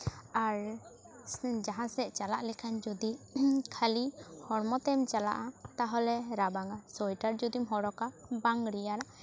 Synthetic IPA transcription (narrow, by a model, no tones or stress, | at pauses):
aɾ | d͡ʒaɦãsɛʔt͡ʃalaʔlɛkʰand͡ʒud̪ikʰalihɔɽmɔt̪ɛmt͡ʃala̰ʔat̪aɦɔlɛɾabaŋasɔjʈaɾd͡ʒud̪imɦɔɽɔkabaŋɽijaɾa